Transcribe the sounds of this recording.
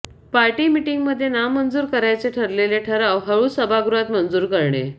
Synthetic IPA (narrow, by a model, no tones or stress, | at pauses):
paɾʈiːmiʈiŋɡməd̪ʱːjenamːənd͡zuːɾkəɾajt͡seʈʰəɾleleʈʰəɾaʋɦəɭuːsəbʱaɡɾuat̪mənd͡zuːɾkəɾɳḛ